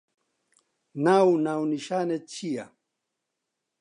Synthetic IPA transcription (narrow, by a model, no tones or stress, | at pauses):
nawnawniʃaːnet͡ɕija